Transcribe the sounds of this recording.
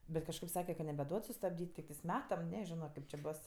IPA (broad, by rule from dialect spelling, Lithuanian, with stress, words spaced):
ˈbʲɛt kɐʃˈkɐɪp ˈsɑːkʲɛ kɐ nʲɛbʲɛˈduɔt sʊstɐbʲˈdʲiːtʲ tʲɪkˈtɜs ˈmʲæːtɐm ˈnʲæːˌʒʲɪnoː ˈkɐɪp t͡ʃʲeː ˈboːs